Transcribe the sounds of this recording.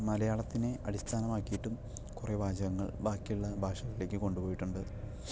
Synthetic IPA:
mɐlɐjaːɭɐt̪ːineɐ̰ɽist̪ʰaːnɐmaːkːijiʈːum | kurebʱaːd͡ʑɐɣɐŋːɐ̰ɭbʱaːkːijuɭːɐbʱaːʂɐɣɐɭile̞ːkːɨko̞ɳɖubo̞ːjiʈːuɳɖɨ

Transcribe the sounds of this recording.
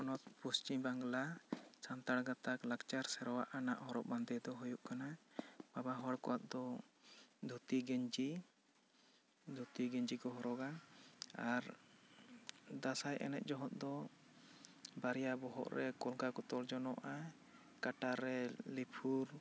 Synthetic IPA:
ɔnɔt̪̚pust͡ʃimbaŋɡlat͡ʃant̪aɽɡat̪aklakt͡ʃaɾsɛɾɔwa̰ʔanaʔhɔɾɔʔ̚band̪ɛd̪ɔɦujuʔkanababaɦɔɽkɔwat̪̚d̪ɔ | d̪ʱut̪iɡɛɲd͡ʒi | d̪ʱut̪iɡɛɲd͡ʒikɔɦɔɾɔɡaaɾ | d̪asajʔɛ̰nɛ̰t̪̚d͡ʒɔɦɔt̪̚d̪ɔ | baɾɛjabɔɦɔ̰ʔɾɛkɔlɡakɔt̪ɔɾd͡ʒɔnɔʔa | kaʈaɾːɛlipʰuɾ

